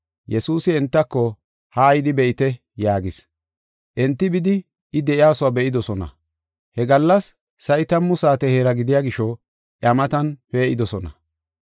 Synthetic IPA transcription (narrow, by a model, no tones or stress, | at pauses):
jɛsuːsɪɛnt̪ːɐkːɔ | hɐːjd̪ɪbɛʔɪt̪ɛ | jaːɡɪs | ʔɛnt̪ːɪbɪd̪ɪː | d̪ɛʔɪjaːsʊwabɛʔɪd̪ɔsɔnɐ̰ | hɛɡɐlːɐsː | ɐʔɪt̪ɐmːʊsaːt̪ɛheːɾɐɡɪd̪ɪjaːɡɪʃɔ | ʔɐmɐt̪ɐnpeːʔɪd̪ɔsɔnɐ̰